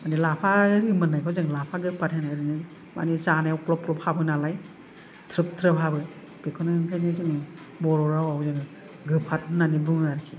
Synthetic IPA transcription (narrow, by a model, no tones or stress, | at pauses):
manilapʰaɾimɯnajkʰɔzɯŋlapʰaɡɯpʰathanaɾinɯ | ma̰nizanajawklɔp̚klɔp̚habɯnalaj | tʰɾɯp̚tʰɾɯpɦabɯ | b̥ekʰɔnɯŋkʰajnɯzɯŋɯ | bɔɾɔɾawawzɯŋ | ɡɯpʰat̚nanibuŋaɾkʰi